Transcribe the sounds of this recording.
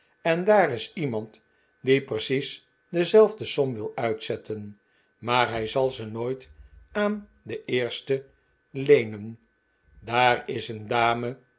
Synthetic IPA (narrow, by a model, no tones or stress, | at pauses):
ɛndaːɾɪsimɑnt | diprəsis | dəzɛlˠvdəsɔmʋɪlˠœɥtsɛtʰən | maːɹɦɛjzɑlˠzənoːjtaːn | dəʔɪːɹstə | lejnən | daːrɪsəndaːmə